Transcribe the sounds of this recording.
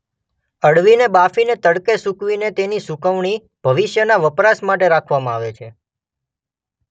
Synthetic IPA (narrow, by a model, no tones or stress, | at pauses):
əɽʋinebafinet̪əɽkesukʋinet̪enisukəʋɳ̃i | bʱəʋɪʃjənaʋəpɾasmaʈ̬eɾakʰʋamãaʋet͡ʃʰe